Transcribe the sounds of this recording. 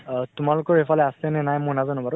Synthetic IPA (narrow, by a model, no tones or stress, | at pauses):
tumalʊkɔɹefʰɔlɛasɛnɛnajmʊnazɔnɔbaɹʊ